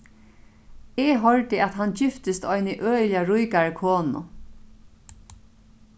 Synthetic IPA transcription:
ɛɦɔɹt̪ɪat̪ɦant͡ɕɪft̪ɪst̪ɔjnɪʔøːljaɹʊjkaɹɪkʰoːnʊ̰

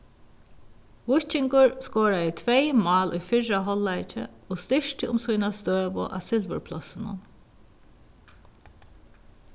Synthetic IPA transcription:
ʋʊt͡ʃɪŋkʊɹskoːɹajət̪ʰʋejmɑːlʔʊ̰jfɪɹaɦɔlːajt͡ʃɪ̰oːst̪ɪʂt̪əʊmsʊjnast̪øːʋʊ̰ʔa̰ːsɪlʋə̰ɹpʰlɔsɪnʊ̰n

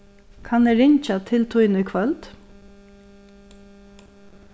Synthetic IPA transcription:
kʰanɛɾɪɲt͡ʃat̪ʰɪlt̪ʰujnʊjkʰvœlt̪

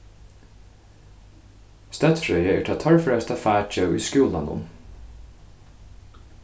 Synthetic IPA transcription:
st̪ɑt̪fɾœʏəḛːʈʰɑt̪ʰɑɽfɽœːst̪ʰɑfæːt͡ʃœʉʔḭːskʉːlɑnʊ̰m

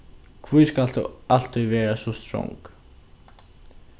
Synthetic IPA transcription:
kʰvujskal̥t̪ṵal̥t̪uvɛːɾasɔst̪ɾɔ̰wŋk

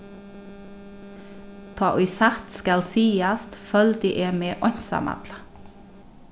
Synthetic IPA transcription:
t̪ʰɑːʔʉʏsɑt̪skɑlsiːɑst̪fœld̪ɪʔeːmeːʔɔɲsɑ̰mɑ̰d̪lə

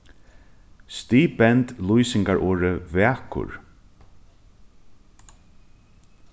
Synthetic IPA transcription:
st̪iːbɛnt̪lujsɪŋkaɹʔoːɹəvɛːkʊ̰ɹ

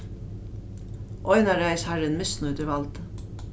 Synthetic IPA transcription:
ʔɔʏnɑɾæɪshæɾənmʏsnʊʉd̪əɾʋɑld̪̥

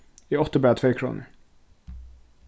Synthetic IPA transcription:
ɪɔt̪ːəbæːt̪ʰveːkʰɾṵːnə̰

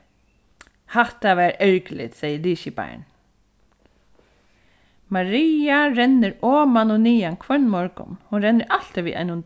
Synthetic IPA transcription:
haht̪aʋɛːɾɛɹklɪ̰t̪sɛjəliːʃɪba̰jɳ | maɾiːaɾɛnːɪɾɔːmanʊniːankʰvœɳmɔɹkʊ̰nhʊnɾɛnːɪɾʔal̥t̪ɪʋiːʔa̰ɪnʊn

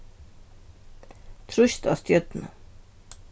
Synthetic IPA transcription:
t̪ʰɾʊʃt̪ɑ̰st̪ʰjœt̪nə̰

